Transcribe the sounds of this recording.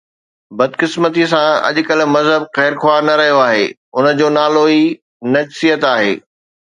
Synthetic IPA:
bɐd̪kɪsmət̪̬is̬ãɐ̰ʄʊkɐl̆mɐzɦəbxɛːɾxwaːɾnɐɾɐɦijoaːɦeː | ʊnə̆d͡ʑoːnaːloi | nɐd͡ʑsijət̪aːɦḛː

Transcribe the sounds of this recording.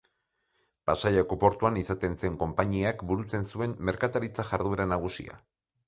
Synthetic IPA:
pasajakopo̞ɾt̪uanisat̪e̞nse̞ŋko̞mpaɲiakbuɾut͡se̞nsue̞mːe̞ɾkat̪aɾit͡saʝaɾðueɾanaɣ̞usḭa̰

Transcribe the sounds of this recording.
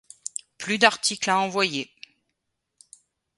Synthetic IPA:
plyd̪aʁt̪iklaɑ̃vwaje

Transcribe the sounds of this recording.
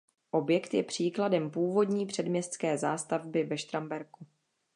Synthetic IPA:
ʔo̞bjɛkt̪jɛpr̝̥iːkladɛmpuːvo̞dɲiːpr̥ɛdmɲɛst̪t͡skɛːzaːst̪avbɪvɛʃt̪ɾambɛɾku

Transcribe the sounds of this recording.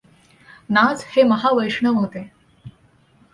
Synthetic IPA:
nad͡zheməɦaʋəjʂɳəʋɦot̪e

